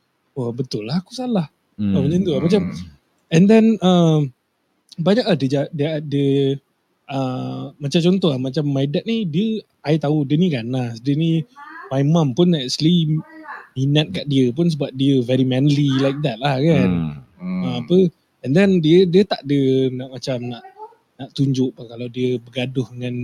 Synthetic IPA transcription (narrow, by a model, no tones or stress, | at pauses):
obət̪ʊlːaɦakusalah | ə̃məɲənt̪ulamat͡ʃam | ɛ̃ndɛnə | baɲak̚ladəd͡ʒadədə | ʔəmat͡ʃamt͡ʃɔnt̪ɔɦlahmat͡ʃamːajdat̪̚nidiə | ajt̪audiəniɡanasdiənimajmãmpʊnɛk̚t͡ʃəli | minat̪̚kaʔdiəpʊns̬əbap̚diəvɛɾimɛ̃nlilajk̚d̪ɛt̪̚lahkanəmapə | ɛndɛndiədiət̪aʔdənaʔmat͡ʃamnaʔ | naʔt̪uɲd͡ʒʊʔpʊnkalawdiəbəɡadʊhəŋan